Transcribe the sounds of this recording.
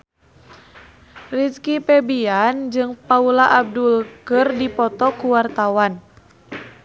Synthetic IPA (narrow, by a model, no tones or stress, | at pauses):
riskipɛbiand͡ʒɨŋpaulaʔab̚dulkɨrdipɔt̪ɔkuwart̪awan